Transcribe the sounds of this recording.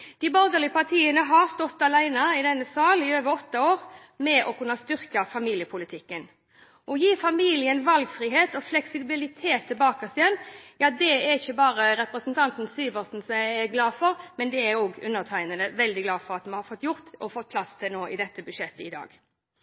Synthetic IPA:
d̪̥ibɔɾd̪əlɪəpɑt̪ʰiːənəɦɑɾst̪ɔt̪ːɑlæɪnɑɪd̪ɛnːəsɑːlɪøːʋəɾɔt̪ːɑoːʁ | mɛʔɔkʰʉnːɑst̪ʏɾkɑfɑmiːljəpʰʊlɪt̪ʰɪkːən | ʔɔjiːfɑmiːlɪənʋɑlɡfʁiːɦeːt̪ɔflɛksɪbɪlɪt̪ʰeːt̪ʰːɪlbɑːkəsɪjɛnːjɑːd̪ɛæɾɪçːəbɑːɾəɾɛpɾəsnt̪ʰɑnt̪n̩syːʋəsn̩sɔmjæɪæɡlɑːfɔɾmɛnd̪ɛæɾoːɡʉnːəʁt̪ʰæɪnənəʋɛld̪ɪɡlɑːfɔʁɑt̪mɛnhɑɾfɔt̪ːjʊʁt̪ɔfɔt̪̚pʰlɑst̪ʰɪlnoːʔɪd̪ɛt̪ːəbʉʂɛt̪ːəɪd̪ɑ̰ːɡ

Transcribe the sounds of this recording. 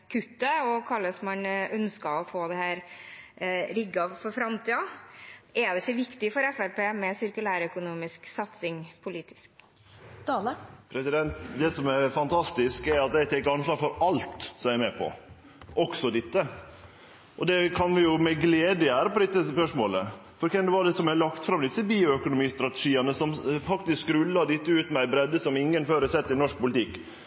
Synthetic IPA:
kʰʉt̪ːəɔkʰɑlːəsmɑnœnskɑɔfoːd̪ɛhæːɾ | ɾʏɡɑfɔɾfɾɑmt̪iːɑ | ɛd̪ɛçɔʋɪkt̪ɪfɔɾɛfælpeːmɛsɪɾkʉlæːɾœkʊnuːmɪsksɑt̪sɪŋpʰʊliːt̪ɪ̥sk | t̪ʰɑːləpʰɾɛsɪd̪ɛnt̪d̪ɛsɔmɛɾfɑnt̪ʰɑst̪ɪskɛɾɑt̪d̪ɛɪt̪ʰɛɪkːəɑnslɑːɾfɔɾɑlt̪sɔmæɪɾmɛpʰɔ̰ | ʔɔksɔd̪ɪt̪ːə | ʔɔd̪ɛkʰɑnʋɪjʊmɛɡleːd̪əæːɾəpɔd̪ɪt̪ːəspœʂmoːlə | fɔɾkɛnd̪ɛʋɑd̪ɛsɔmæɪlɑkt̪fɾɑmd̪ɪsːəbiːʊœkʊnʊmiːst̪ɾɑt̪əʂiːənəsɔmfɑkt̪ɪskɾʉlːɑd̪ɪt̪ːəʉːt̪mɛæɪbɾɛd̪ːəsɔmɪŋːənføːɾəsɛt̪ːɾɪnɔʂk̚pʊlɪt̪ɪkː

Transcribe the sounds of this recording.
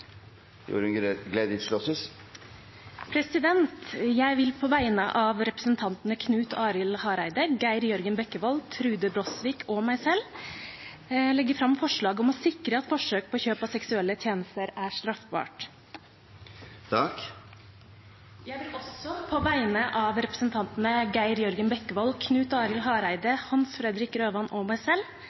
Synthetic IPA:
jṵːɾnɡleːd̪ɪt̪ʂlɔsəs | pʰɾɛsɪd̪ɛnt̪jæɪʋɪlpʰɔʋæɪnə̰ʔɑʋɾɛpɾəsnt̪ʰɑnt̪nəkʰnʉːt̪ʰɑːɾɪlhɑːɾæɪd̪əɡæɪɾjœɾɡənbɛkːəʋɔlt̪ʰɾʉːd̪əbɾɔsʋiːkʰɔmæɪsɛlː | lɛɡːəfɾɑmfɔʂɭɑːɡɔmɔsɪkɾəɑt̪fɔʂøːk̚pʰɔçøːpɑsɛksʉɛlːət̪ʰjeːnəst̪əɾæʂt̪ɾɑfbɑ̰ːʈ | t̪ʰɑk | jæɪʋɪlɔsɔpʰɔʋæɪnəʔɑʋɾɛpɾəsənt̪ʰɑnt̪ənəɡæɪɾjœɾɡənbɛkːəʋɔlkʰnʉːt̪ɑːɾɪlɦɑːɾæɪd̪əhɑnsfɾɛd̪ɾɪkɾøːʋɑnʔɔmæɪsɛlː

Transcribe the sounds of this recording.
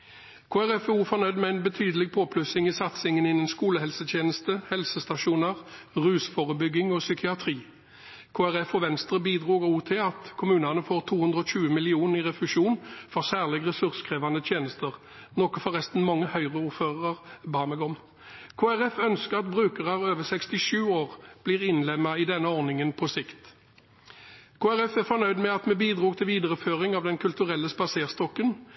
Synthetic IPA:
kʰoːæʁɛfuːfɔʁnœʏd̪mɛæɪnbɛt̪ʰyːd̪əlɪɡ̚pʰoːpʰlʉsɪŋisɑt̪sɪŋənɪnːənskuːləhɛlsət̪ʰjeːnəst̪əhɛlsəst̪ɑʂuːnəʁ | ʁʉːsfoːʁəbʏɡːɪŋɔːsʏkʰɪɑt̪ʰʁiː | kʰoːæʁɛfɔʋɛnst̪ʁəbiːd̪ʁuːɡuːt̪ʰɪlɑt̪kʰʊmʉːnɑnəfoːʁt̪ʰuːhʉnd̪ʁəɔɕʉːəmɪlɪuːnəʁɪʁɛflʉʃuːnfɔʁsæːʁlɪɡʁɛsʉʁskʰʁeːʋɑnd̪ət̪ʰjeːnəst̪əʁ | nɔkɔfɔʁɛst̪n̩mɑŋːəhœʏʁəuːʁføːʁəʁbɑːməɡɔm | kʰoːæʁɛfœnskəʁɑt̪bʁʉːkəʁɑʁøːʋəsɛkst̪ɪʃʉːoːʁb̥liːʁɪnlɛmːɑɪd̪ɛnːəɔʁnɪŋənpʰɔsɪkt̪ | kʰoːæʁɛfæʁfɔnœʏd̪mɛɑt̪mɛbiːd̪ʁuːɡt̪ʰɪlʋiːd̪əʁəføːʁɪŋɑʋd̪ɛnkʰʉlt̪ʉʁɛlːəspɑseːʁst̪ɔkːən

